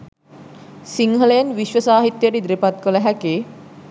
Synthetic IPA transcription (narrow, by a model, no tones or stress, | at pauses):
siŋɦəlejənʋiʃʋəsaːɦit̪jəʈəid̪ɾepat̪̚kələɦækeː